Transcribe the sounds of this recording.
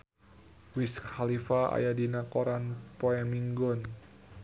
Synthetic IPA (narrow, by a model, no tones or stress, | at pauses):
wiskhalifaa̰jadinakoɾanpoɛmiŋɡɔn